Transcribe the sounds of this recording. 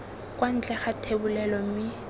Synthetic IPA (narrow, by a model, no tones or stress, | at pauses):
kʼwan̩t͡ɬʼɛχatʰebʊlɛlɔm̩mɪ